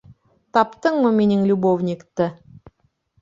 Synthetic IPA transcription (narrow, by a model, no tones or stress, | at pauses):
t̪ɑpt̪ɤɴməmʲinɪŋlʲubovnʲɪkt̪ə